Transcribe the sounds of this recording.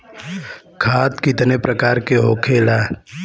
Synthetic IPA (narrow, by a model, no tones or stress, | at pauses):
kʰaːt̪kɪt̪nepɾəkaːɾkeɦoːkʰeːlaː